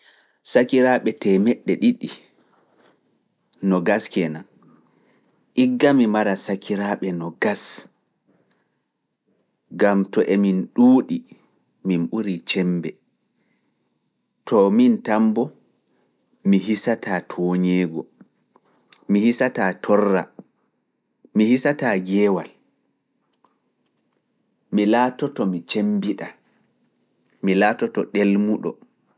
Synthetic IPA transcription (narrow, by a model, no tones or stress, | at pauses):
sakiɾaɓɛtɛmɛɗːɛɗiɗi | nɔɡaskɛnan | ʔiɡːamimaɾasakʰiɾaɓɛnɔɡas | ɡamtɔʔeminɗuːɗi | minɓuɾit͡ʃɛmbɛ | tʰɔmintambɔ | miɦisatʰaːtʰɔːɲɛːɡɔ | mihisataːtʰɔrːa | mihisataːɡɛːwa̰l | milatɔtɔmit͡ʃembiɗa | milaːtɔtɔɗelmuɗɔ̰